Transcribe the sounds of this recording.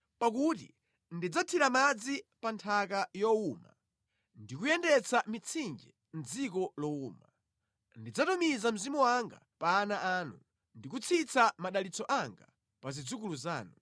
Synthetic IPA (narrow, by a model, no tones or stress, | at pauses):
pak̬utḭ | ndid͡zatʰiɾamad͡zipantʰakajɔuma̰ | ndikujɛndɛt͡samit͡sʰind͡ʒɛ | n̩d͡zikɔlɔuːma | ndid͡zatɔmizam̩zimuwaŋɡa̰paːnaʔaːnu | ndik̬ut͡sʰit͡samaɗalit͡sɔʔaŋɡa̰ | pazid͡zuk̬uluzaːnu